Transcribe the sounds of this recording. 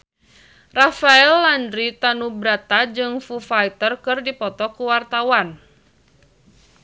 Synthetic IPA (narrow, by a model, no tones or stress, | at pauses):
rafaɛlːandɾit̪anubɾat̪ad͡ʒɨŋfufait̪ərkɨrdipɔt̪ɔkuwart̪awan